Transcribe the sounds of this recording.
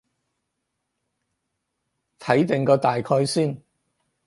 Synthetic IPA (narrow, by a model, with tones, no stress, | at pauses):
t̪ʰɐ˨˥jt̪ɪ˨ŋkɔː˧t̪aː˨jkʰɔː˧jsiː˥˩n